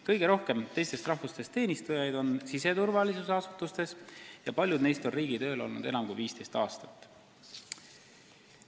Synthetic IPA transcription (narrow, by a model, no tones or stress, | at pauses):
kɤjɡ̥e̞ɾo̞hke̞mt̪e̞jst̪e̞st̪rɑhvust̪e̞st̪ːe̞ːnist̪ujɑjd̪̥o̞nsise̞t̪uɾvɑlisuseɑsut̪ːˑust̪e̞sjɑpɑlʲjud̪̥nejst̪o̞nriːɡ̥it̪ø̞ːlo̞̰lnṵd̪̥e̞nɑmkujviːst̪e̞jst̪ɑ̰ːst̪ɑ̥t̪ːˑ